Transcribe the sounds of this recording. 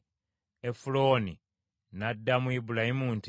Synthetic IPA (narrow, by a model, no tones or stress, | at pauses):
efulo̞ːni | nadːamwibulahimuːnti